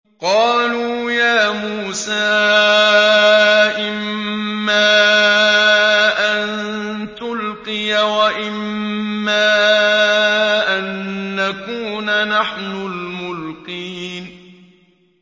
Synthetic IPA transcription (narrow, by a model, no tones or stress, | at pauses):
qɑːluː | jaːmuːsaː | ʔɪmːaː | ʔann | t̪ʊlqɪjawaʔɪmːaː | ʔanːakuːnanaħnʊlmʊlqiːn